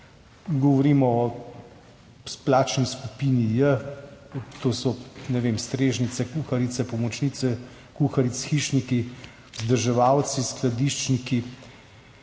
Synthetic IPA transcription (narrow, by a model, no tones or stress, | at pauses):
ɡɔʋɔɾiːmɔɔ | splaːt͡ʃniskupiːnijə | t̪oːsɔnɛʋeːmst̪ɾeːʒnit̪sɛkuxaɾit̪sɛpɔmɔt͡ʃnit̪sɛ | kuxaɾit̪sxiʃniki | zd̪əɾʒɛʋawt̪sisklad̪iʃt͡ʃniki